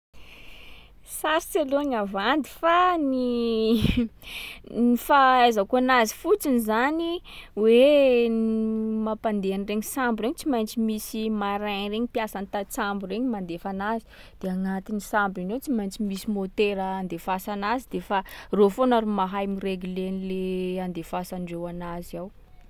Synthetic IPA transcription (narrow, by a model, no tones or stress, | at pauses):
saɾseloɲavand̪i̥fani | nifaajzakoanazi̥fut͡sinizaniwe | mapand̪eanireɲisambuɾeɲit͡simajnt͡simisimaɾaɲreɲipiasanit̪at͡sambureɲmand̪efanazi̥ | d̪̥eaŋat̪inisambinewt͡simajnt͡simisimot̪eɾəand̪efasanazid̪̥efarofonaɾumaɦajmireɡlenileand̪efasaɳɖ͡ʐewanaziaw